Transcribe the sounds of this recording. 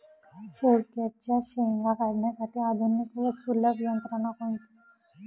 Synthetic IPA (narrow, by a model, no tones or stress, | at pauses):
ɕeɾkjat͡ɕjaɕeŋɡakəɽɳjasaʈʰiːad̪ʱonːikʋəsuləbjənt̪ɾəɳ̃apəɳt̪o̥